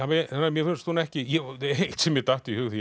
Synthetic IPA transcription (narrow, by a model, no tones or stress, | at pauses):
amɛanːaɾmjɛfɪnst̪uːnɛhcɪjɛeeht̪sɛmjɛt̪aht̪ɪihʏɣθi